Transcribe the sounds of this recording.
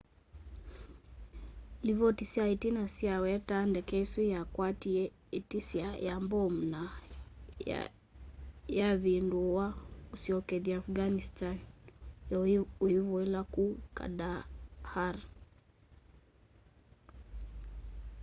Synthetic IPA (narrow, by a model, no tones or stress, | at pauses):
livɔtisiaitinasiawɛtandɛkɛsujakwatiɛ | itisiajambɔm̩na̰ | jaβinduwausiɔkɛðiafɡanistan | uiβɔɛlakuka̰dahaɾ